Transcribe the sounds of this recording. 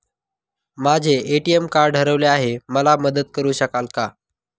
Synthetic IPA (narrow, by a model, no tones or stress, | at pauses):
mad͡ʑʱeːʈiemkaɾɖɖʱəɾəʋleaɦeməlaməd̪əd̪̚kəɾuːɕəkalka